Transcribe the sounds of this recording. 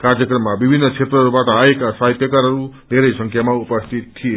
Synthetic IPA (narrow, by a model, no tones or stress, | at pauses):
karjʌkrʌmːabibʱinːʌt͡sʰet̪rʌɦʌɾubaʈʌaekasaɦit̪jʌkaɾɦʌɾud̪ʱeɾʌjsʌŋkʰjamaupʌst̪ʰit̪̚t̪ʰːije